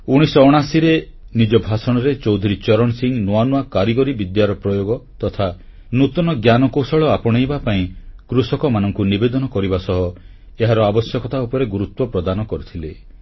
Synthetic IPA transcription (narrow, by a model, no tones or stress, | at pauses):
uɽ̃isɔːɽ̃asiɾe | nid͡ʒɔbʱasɔɽ̃ɔɾet͡ʃɔwd̪ʱiɾit͡ʃɔɾɔɳsiŋnoanuakaɾiɡɔɾibid̪jaɾɔpɾɔjoɡɔt̪ɔt̪ʰa | nut̪ɔnɔɡjanɔkowsɔɭɔapɔɽ̃ejbapaĩkɾusɔkɔmanɔŋkunibed̪ɔnɔkɔɾibasɔɦɔ | eɦaɾɔabɔsjɔkɔt̪aupɔɾeɡuɾut̪wɔpɾɔd̪anɔkɔɾut̪ʰile